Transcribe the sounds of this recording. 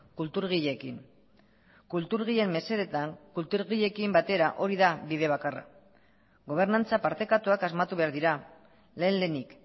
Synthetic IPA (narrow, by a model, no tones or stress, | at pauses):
kult̪uɾɣ̞iʎe̞kiŋ | kult̪uɾɣ̞iʎe̞mːe̞se̞ɾet̪aŋkult̪uɾɣiʎe̞kimbat̪e̞ɾaʔo̞ɾiðabiðe̞β̞akara̰ | ɣo̞β̞e̞ɾnant͡sapaɾt̪e̞kat̪uakazmat̪uβe̞aɾðiɾa | le̞ːnle̞nik